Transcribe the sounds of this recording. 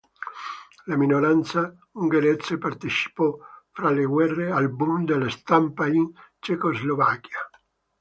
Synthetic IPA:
laminoɾant̪sa | uŋɡeɾɛt̪separt̪et͡ʃi̥pɔfɾaleɡwɛrːealbund̪elast̪ampaint͡ʃekozlovakːja

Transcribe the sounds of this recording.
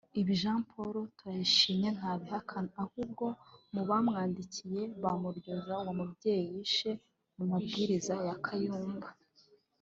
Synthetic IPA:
iβiʒaːmpʰoɾotwajiʃiːmɲe̞n̥haːβihakʰanahub̚ɡo̞muβamŋaːndicʰije̞βamuɾɟo̞zawamubɟe̞jijiʃe̞ | mumabɡiːɾizajakʰajuːmba

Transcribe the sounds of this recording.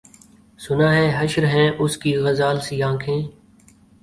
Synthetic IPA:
sʊnãːɦɛ̃ːɦəʃɾɦɛ̃ːʔʊskiːɣəzaːlsijãːkʰẽː

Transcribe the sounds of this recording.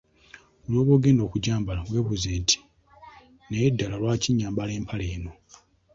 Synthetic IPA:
olo̞ːβoːɡe̞ːndo̞ːkuɟaːmbalaβwe̞ːβuzeːntʰi̥ | nejedːalalwaːciɲːaːmbale̞ːmpʰaleːno̞

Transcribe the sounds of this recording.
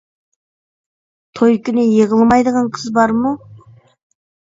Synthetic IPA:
t̪ʰojkʲɪnejeʁəlˠmɑjd̪əʁəɴqʰəzbɑɾmu

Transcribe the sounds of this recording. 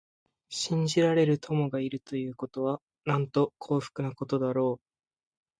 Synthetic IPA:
ɕĩɲ̟d͡ʑiɾaɾe̞ɾɯ̟t̪ʰo̞mo̞ɡaiɾɯ̟t̪o̞jɯ̟ːko̞t̪o̞βa | nãnt̪o̞kʰo̞ːɸɯ̟̥kɯ̟nako̞t̪o̞d̪aɾo̞ː

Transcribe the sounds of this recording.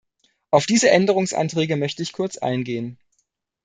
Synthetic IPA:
ʔaʊfd̥iːzəʔɛndəʁ̞ʊŋsʔa̰ntʁ̥ɛːɡəmœçtəɪçkʰʊɐt͡sʔa̰ɪnɡeːən

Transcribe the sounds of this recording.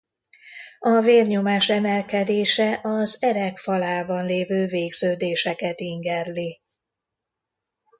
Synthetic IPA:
ɒveːrɲomaːʃɛmɛlkɛd̪eːʃɛʔɒzɛɾɛkfɒlaːbɒnleːvøːveːɡz̥øːd̪eːʃɛkɛt̪iŋɡɛrli

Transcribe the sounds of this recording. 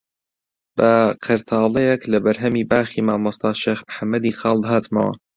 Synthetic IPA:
b̥ɐqʰɨɾt̪ʰɑːlˠɛjeklɐbɐɾɦɐmiːbaːxiːmaːmʊst̪ɑːʃeːxmħamːɐd̪iːxɑːlˠd̪ɦɑːt̪mɐ̰wɐ̰

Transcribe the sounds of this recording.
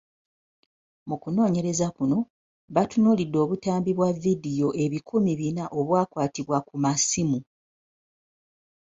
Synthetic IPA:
mukuno̞ːɲe̞ɾe̞zakuno̞ | βatunolidːo̞ːβutaːmbiβwavːidijo̞ʔe̞βikʰumiβinaʔo̞βwaːkwaːtiβwakumasimu

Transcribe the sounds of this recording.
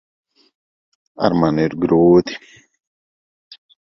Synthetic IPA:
a̰ɾmaneɾɡɾoːt̪i̥

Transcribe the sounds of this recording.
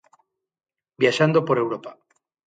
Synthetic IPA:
bjaʃand̪opoɾewɾopa

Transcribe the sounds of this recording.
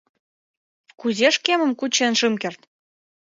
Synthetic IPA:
kuzeʃkemə̆mkut͡ɕenʃɨmkert̪

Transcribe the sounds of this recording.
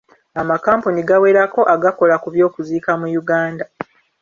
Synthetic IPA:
amakaːmpuniɡawe̞ːɾako̞ʔaɡako̞lakuβjo̞ːkuziːkamujuɡaːnda

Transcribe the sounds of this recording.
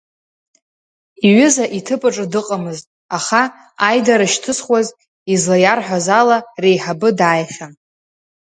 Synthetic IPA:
iɥɪzaʔitʰɨpʼɨʈ͡ʂʼɨdɨqʼamɨztʼ | aχa | ajdaɾaʃtʰɨsχwaz | izlajarħʷᶣazalare̞jħabɨdaːjχʲa

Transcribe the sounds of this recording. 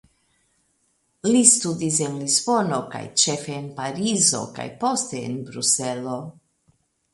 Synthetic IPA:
listudis̬e̞nlizbo̞no̞ka̰jt͡ʃe̞fe̞ːnpaɾizo̞̰ka̰jpo̞ste̞̰ːnbɾuse̞lo̞

